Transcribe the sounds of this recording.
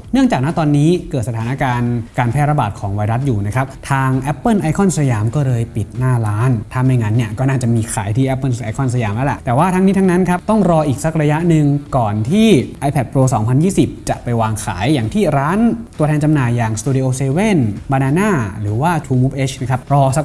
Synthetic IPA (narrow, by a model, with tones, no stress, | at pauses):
nɯ˥˩əŋt͡ɕaː˨˩k̚na˦˥t̪ɔː˧nːiː˦˥kɤː˨˩t̪̚sa˧t̪ʰːna˦˧˥kaː˧nkaː˧npʰɛː˥˩ɾa˧˩baː˨˩t̪̚kʰɔː˩˦ŋwa˧jɾa˦˥t̪̚juː˨˩na˦˥kʰa˦˥p̚t̪ʰaː˧ŋʔɛ˦˥pːɤː˥˩˨nʔa˧˥jkʰɔ˥˩nsa˧jaː˨˧mkɔː˥˩lɤː˧jpi˨˩t̪̚naː˥˩ɾaː˦˥nt̪ʰa˧˩ma˧˩jŋa˧˥nːi˥˩ɐkɔː˥˩naː˥˩t͡ɕa˨˩ʔmiː˧kʰaː˩˦jt̪ʰiː˥˩ʔɛ˦˥pːɤ˥˩˨ʔa˧jkʰɔ˥˩nsa˧jaː˧˩mlɛ˦˥lɛ˨˩ʔt̪ɛː˨˩waː˥˩t̪ʰa˦˥ŋniː˦˥a˦˥na˦˥nkʰa˦˥p̚t̪ɔ˥˩ŋɾɔː˧ʔiː˨˩k̚sa˦˥k̚ɾa˧ja˦˥ʔnɯ˧ŋkɔː˨˩nt̪ʰiː˥˩ʔa˧jpʰɛ˨˩pʰɾoː˧sɔː˩˦ŋpʰa˧njiː˥˩si˨˩p̚t͡ɕa˨˩ʔpa˧jwaː˧ŋkʰa̰ː˩˦jːaː˨˩ŋt̪ʰiː˥˩ɾaː˦˥nt̪u˧t̪ʰɛː˧nt͡ɕa˧mnaː˨˩jːaː˨˩ŋst̪uː˧di˧ʔoː˧seː˧we˥˩nbaː˧naː˧naː˥˩ɾɯː˩˦waː˥˩t̪ʰuː˧muː˦˥p̚ʔe˦˥t͡ɕʰna˦˥˩kʰa˦˥p̚ɾɔː˧sa˦˥k̚